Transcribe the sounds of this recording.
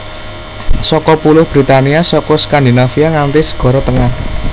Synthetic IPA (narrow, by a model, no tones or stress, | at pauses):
sɔkɔpulʊhb̥ɾit̪aniasɔkɔskand̪inafiaŋant̪ɪsə̥ɡ̥ɔ̤ɾɔt̪əŋah